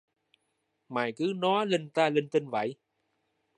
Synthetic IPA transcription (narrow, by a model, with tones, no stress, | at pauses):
maː˨˩jkɨ˨˦nɔ˨˦li˧ŋt̪aː˧li˧ŋt̪i˧ŋvə̰˧˨j